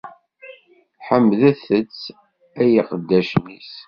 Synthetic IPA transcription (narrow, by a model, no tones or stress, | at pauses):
ħəmːðæθət͡sː | æjiqəd̪ːæʃnis